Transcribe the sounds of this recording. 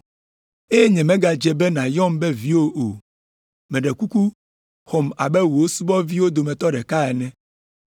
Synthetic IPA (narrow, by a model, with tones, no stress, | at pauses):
e˦je˦ɲɛ̃˨mɛ̃˦ɡa˨d͡ʒɛ˦bɛ˦nã˨jɔ˦mbɛ˦vi˦wo˦ʔo˨ | mɛ̃˨ɖɛ˨ku˦ku˦ | xɔ˨ma̰˨bɛ˦wu˨wo˦su˦bɔ˦vi˦wo˦d̪o˨mɛ̃˨t̪ɔ˦ɖɛ˨ka˦ɛ˨nɛ̃˦